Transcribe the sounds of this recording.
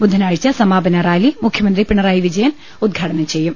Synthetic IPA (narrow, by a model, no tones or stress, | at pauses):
bud̪ʱːɐnaːɻit͡ɕːɐsɐmaːbɐnɐɾaːjlimukʰjɐmɐnd̪ɾipiɳːɐɾaːjiʋid͡ʑɐjɐn | ud̪̚ɡʱaːʈɐnɐmt͡ɕejːum